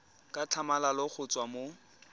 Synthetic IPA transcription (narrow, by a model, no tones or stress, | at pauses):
kʼat͡ɬʰamalalɔk͡xʰʊt͡sʼwamo